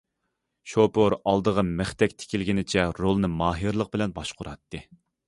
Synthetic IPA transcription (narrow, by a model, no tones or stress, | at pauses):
ʃopʰoɾɑlˠd̪əʁəmɪχt̪ɛkʲt̪ʰɪ̥kʲilɡʲinɪt͡ʃʰɛɾolˠnɨmɑːɦɨɾlˠəq̚bɪlɛnbɑʃqʰʊɾɑt̪ːɨ